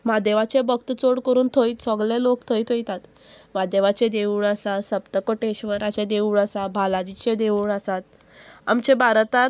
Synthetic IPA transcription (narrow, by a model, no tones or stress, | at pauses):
mad̪eʋat͡ɕebək̚t̪t͡soɽkəɾuːnt̪ʰoit̪sɔɡlelokt̪ʰoit̪ʰɦojt̪at̪ | mad̪eʋat͡ɕed̪euːɭəsasəpt̪əkoʈeɕʋəɾat͡ɕẽd̪euːɭəsabʱalad͡ʑit͡ɕed̪euːɭəsat̪̚ | a̰mt͡ɕebʱaɾt̪a